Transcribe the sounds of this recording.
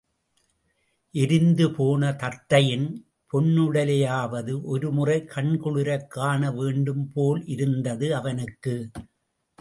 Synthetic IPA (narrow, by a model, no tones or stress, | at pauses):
ʔɛɾɪnd̪ɯpoːnɐt̪ɐɾt̪ːɐjɪn | pʰɔɳːɯɽɐlɐjaːʋɐðɯʔɔɾɯmʊrɐɪkʰɐɳkʊɭɯɾɐkːaːnɐʋeːɳɖɯmpoːlʔɪɾɯnd̪ɐðɯɐʋɐnɯkːɯ